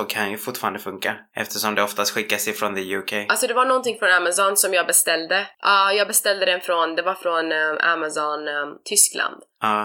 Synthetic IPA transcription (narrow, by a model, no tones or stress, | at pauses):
okʰanjɵfʊʈːfɑːɾand̪əfɵŋka | ɛ̰ft̪ʰəʂɔmd̪ɛɔft̪ast̪ɧɪkːasɛjfɾɔnd̪əjʉːkʰejalsɔd̪ɛvaɳɔnt̪ɪŋfɾɔnamasɔnsɔmjɑːɡbɛst̪ɛld̪əʔɑːjɑːɡ̚bɛst̪ɛld̪əd̪ɛnfɾɔnd̪ɛvaɾfɾɔna̰masɔnt̪ʰʏsklʔa̰nd̪̥ɑː